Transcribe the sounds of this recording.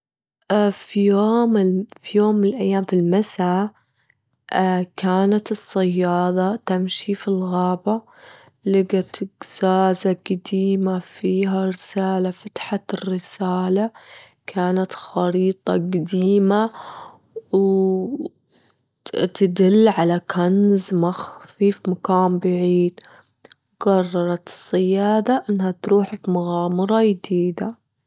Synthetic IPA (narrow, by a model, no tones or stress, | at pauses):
fijoːmfijoːmːɪnɪlʔajːaːmfilmasʕa | kaːnat̪ɨsˤːɑjːɑːðˤɑt̪amʃifilɣaːba | lɪɡat̪ɡzaːzaɡ̥ad̪iːmafiːɦaɾɪsaːlafat̪ħarːɪsaːla | kʰaːnat̪xɑɾiːt̪ˤɑ̰ɡad̪iːma | w | t̪ɪd̪ɪlːʕalakʰanzmaxfiːfmakaːnbaʕiːd̪ | ɡɑrˤːɑɾˤɑt̪ɨ̥sˤːɪjaːd̪aʔɪnːhat̪ɾuːħbmʊɣaːmɑɾˤɑjd̪iːd̪a